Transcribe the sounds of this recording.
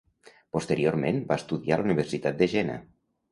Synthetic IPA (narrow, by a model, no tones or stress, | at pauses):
post̪əɾioɾmẽnmbaest̪uðialuniβ̞əɾsit̪at̪̚d̪əʒena̰